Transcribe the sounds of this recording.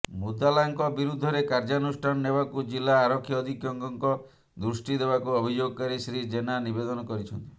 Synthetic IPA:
mut̪alaŋkɔbiɾud̪ʱːɔɾekaɾd͡ʒanusʈʰanɔneβakud͡ʒilːaːɾɔkʰːjɔːd̪ʱikjɔŋkɔŋkɔ | d̪ɾusʈid̪eβakuɔbʱid͡ʒoɡɔkaɾisɾid͡ʒenanibed̪ɔnɔkɔɾit͡ʃʰɔnt̪i̥

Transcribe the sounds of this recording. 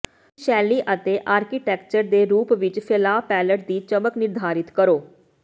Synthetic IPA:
ʃɛːliːʔət̪eːʔaːɾkiʈɛːkt͡ʃəɾd̪eːɾuːpʋɪt͡ʃpʰɪlaːpɛːləʈ̚d̪iːt͡ʃəməknɪɾd̪ʱaːɾɪt̪kəɾoː

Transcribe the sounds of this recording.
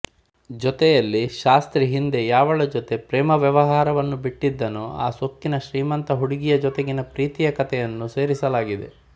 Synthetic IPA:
d͡ʒɔt̪ɛjɐlːiʃaːst̪ɾiɦind̪ejaːʋɐɭɐd͡ʒɔt̪e̞pɾɛːmɐʋjɐʋɐɦaːɾɐʋɐnːubiʈːid̪ːɐnua̰ːsok̚t̪ːinɐʃɾiːmɐnt̪ɐɦuɽiɡijɐd͡ʒɔt̪eɡinɐpɾiːt̪ijɐkɐt̪ɛjɐnːuse̞ːɾisɐlaːɡid̪ḛ

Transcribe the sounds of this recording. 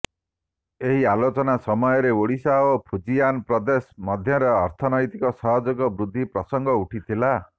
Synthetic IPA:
eɦialot͡ʃɔnasɔmɔjɔɾeoɽisaopʰud͡ʒijanpɾɔd̪esɔmɔd̪ʱjɔɾɔːɾt̪ʰɔnɔjt̪ikɔsɔɦɔd͡ʒɔkɔbɾud̪ʱːipɾɔsɔŋɡʱɔuʈʰit̪ʰila

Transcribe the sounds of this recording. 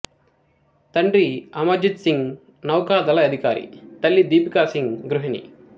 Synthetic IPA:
t̪ɐɳɖɾiɐmɐd͡ʒit̪siŋɡ | nɐwkaːd̪ɐlɐɐd̪ʱikaːɾḭt̪ɐlːid̪iːpikaːsiŋɡɾuɦinḭ

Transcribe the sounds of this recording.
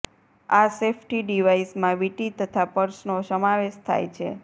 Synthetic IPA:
asefʰʈiɖiʋaismãʋiʈit̪ət̪ʰapəɾʃnosəmaʋeʃt̪ʰa̰jt͡ʃʰḛ

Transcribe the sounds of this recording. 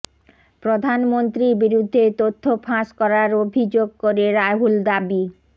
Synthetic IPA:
pɾod̪ʱanmont̪ɾiɾbiɾud̪ʱːet̪ot̪ʰːofʰãʃkɔɾaɾobʱid͡ʑoɡ̚koɾeɾajɦuld̪abi

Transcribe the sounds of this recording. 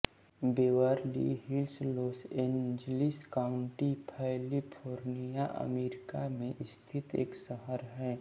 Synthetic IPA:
beːwaɾlḭɦɪlsloːsẽːnd͡ʒlɪskaːʊ̃ɳʈipʰɛlipʰoːɾnijaʔə̰meːɾɪkamẽʔɪst̪ʰɪt̪ḛːksəɦəɾɦɛː

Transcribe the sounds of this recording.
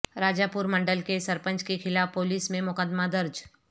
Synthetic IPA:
ɾaːd͡ʒaːpʊɾmɐ̃ɳɖəlkesɐɾpə̃nt͡ʃkexɪlaːfpoːliːsmẽmʊkəd̪mad̪ɐɾd͡ʒ

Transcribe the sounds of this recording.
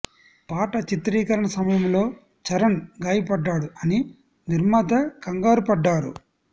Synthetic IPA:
paːʈɐt͡ʃit̪ɾiːkɐɾɐɳɐsɐmɐjɐmlo̞ː | t͡ʃɐɾɐnɡaːjipɐɖːaːɽuɐni | niɾmɐd̪ɐkɐŋɡaːɾupɐɖːaːɾṵ

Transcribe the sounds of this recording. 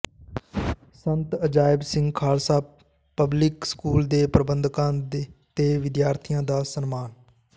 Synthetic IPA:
sənt̪əd͡ʒaːɪbsɪ̃ŋɡkʰaːlsaː | pːəblɪkskuːld̪eːpɾəbənd̪kãːdt̪eːʋɪd̪jaːɾt̪ʰijãːd̪aːsənmaːn

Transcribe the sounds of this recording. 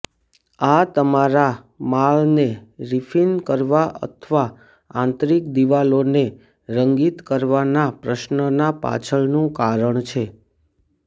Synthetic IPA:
at̪əmaɾa | maɭneɾifʰinkəɾʋaʔə̰t̪ʰʋa | ãnt̪ɾik̚d̪iʋalone | ɾəŋɡit̪kəɾʋanapɾəʃnənapa̰t͡ʃʰəɭnũkaɾəɳt͡ʃʰe

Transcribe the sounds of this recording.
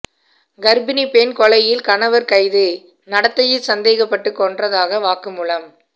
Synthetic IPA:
ɡɐɾbɪnipeːnkɔɭɐjɪlkɐnɐʋɐɾkɐɪðɯ | nɐɽɐt̪ːɐjɪlsɐnd̪eːɣɐpːɐʈːɯkːɔndrɐðaːɣɐʋaːkɯmʊlɐm

